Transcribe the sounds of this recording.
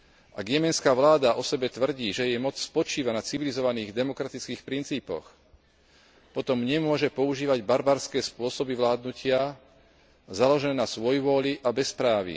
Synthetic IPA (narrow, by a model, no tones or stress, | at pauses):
ʔaɡjɛmɛnskaːʋlaːd̪aʔɔsɛbɛt̪ʋr̩ɟiːʒɛjɛjmɔt͡sspɔt͡ʃiːʋanat͡siʋilizɔʋaniːɣd̪ɛmɔkɾat̪it͡skiːxpɾint͡siːpɔ̰x | pɔt̪ɔmɲɛmʊɔʒɛpɔuʒiːʋaɟbaɾbaːɾskɛːspʊɔsɔbiʋlaːd̪nucɪa | zalɔʒɛnɛːnasʋɔjuʋʊɔʎiʔabɛspɾaːʋḭ